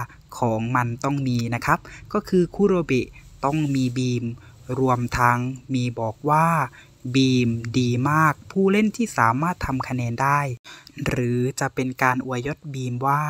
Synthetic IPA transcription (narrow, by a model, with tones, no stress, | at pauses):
kʰɔː˩˦ŋma˧nt̪ɔ˥˩ŋmiː˧na˦˥kʰa˦˥p̚kɔː˥˩kʰɯː˧kʰuː˧˥˩ɾoː˧be˨˩ʔt̪ɔ˥˩ŋmiː˧biː˧m | ɾu˧əmt̪ʰa˧ŋmiː˧bɔː˨˩k̚waː˥˩ | biː˧mdiː˧maː˥˩k̚pʰuː˥˩le˥˩˨nt̪ʰiː˥˩saː˩˦maː˥˩t̪ʰːa˧mkʰa˧nɛː˧ndaː˥˩jɾɯː˩˦t͡ɕa˨˩ʔpe˧nkaː˧nʔu˧ɐjo˦˥t̪̚biː˧mwaː˥˩